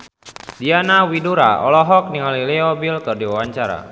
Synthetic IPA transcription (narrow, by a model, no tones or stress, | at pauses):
dianawiduɾa̰ɔ̰lɔɦɔk̚niŋalilɛɔbilkərdiwawaɲt͡ʃaɾa̰